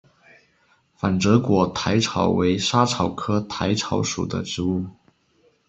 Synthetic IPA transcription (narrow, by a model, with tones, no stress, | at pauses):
fa˨˩nʈ͡ʂɤ˧˥kwɔ˨˩t̪ʰa˧˥ɪʈ͡ʂʰɑ˨˩ʊwe˧˥ɪʂa˥ʈ͡ʂʰɑ˨˩ʊkʰɤ˥t̪ʰa˧˥ɪʈ͡ʂʰɑ˧˥ʊʂṵ˨˩d̪ə̰˦ʈ͡ʂɻ̩˧˥u˥˩